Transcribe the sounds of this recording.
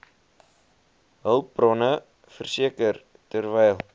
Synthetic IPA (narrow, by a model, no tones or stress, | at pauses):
ɦəlˠprɔnə | fərsiəkər | tərvɛjlˠ